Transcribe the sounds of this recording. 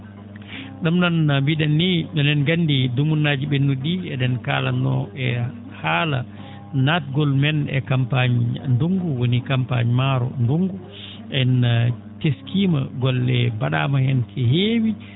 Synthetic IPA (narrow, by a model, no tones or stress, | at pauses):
ɗumnanmbiɗɛnːiɓɛnɛnɡanːdidumunːaːd͡ʒiɓenːuɗiɛɗɛnka̰ːla̰nːɔ̰ɛ | haːla̰ | natɡɔlmɛnɛ̰kampaɲnduŋɡuwonikampa̰ɲmaɾɔ̰nduŋɡu | ʔɛn | keskiːma̰ɡɔlɛbaɗa̰mahɛnkʰɛɦeːwi